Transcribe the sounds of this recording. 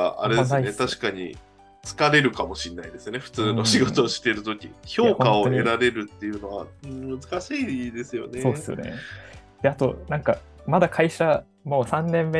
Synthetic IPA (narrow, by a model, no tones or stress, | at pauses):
aa̰ɾe̞d̪snet̪aɕi̥kaɲ̟ḭ | t͡sɨ̥kaɾe̞ɾɯ̟kamo̞ɕinːaid̪e̞sɨone̞ɸɯ̟̥t͡sɨːno̞ɕɕiɡo̞t̪oːɕi̥t̪e̞ɾɯ̟t̪o̞kʲḭço̞ːkõao̞oɲeɾaɾe̞ɾɯ̟t̪ːe̞jɯ̟no̞βa̰mɯ̟zɨkaɕiːd̪e̞sɨjo̞̰nesoːd̪esɨjo̰ne̞̰ | d̪̥e̞at̪o̞̰nãŋka | mad̪akʰaiɕa | mo̞ːsãnːẽ̞mːe